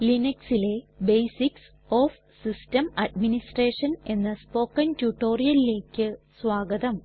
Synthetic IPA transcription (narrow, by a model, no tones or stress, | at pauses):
linɐksile̞bejsiks | oːf | sistɐmɐɖminisʈreːʂɐne̞nːɐspo̞ːkːɐntuʈːo̞ːrijɐlile̞ːkʲːɨsʋaːɡɐðɐm